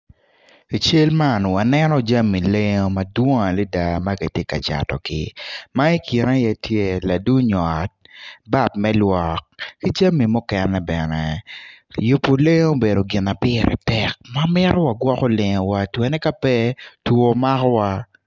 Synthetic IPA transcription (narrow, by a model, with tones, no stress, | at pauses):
i˨t͡ʃe˦lma˦˨n˨wa˨nɛ˦nɔ˦d͡ʒa˦mi˨le˦ɲo˦ma˨dwo˦ŋa˨lɛ˦da˨ma˦ki˨tje˦ka̰˨t͡ʃa̰˨tɔ˨kɪ˨˦ma˦i˦ki˨na˦jɛ˦tje˦la˨du˦ɲɔ˨t̚ba˦p̚mɛ˦lwɔ˨kːi˦d͡ʒa˦mi˨mʊ˦kɛnːɛ˨bɛnɛ˨ | ju˨pːo˨le˦ŋo˦be˨do˨ɡɪ˨na˨pɪ˦ɾʔɛ̰˨tɛ˨k̚ma˦mɪ˦ɾʔɔ˦wa˨ɡwɔ˦ko˦lɪ˨ŋɔ˨wa˦twɛ˨nɛ˦ka˦pɛ˦two˨ma˦kɔ˦wa˦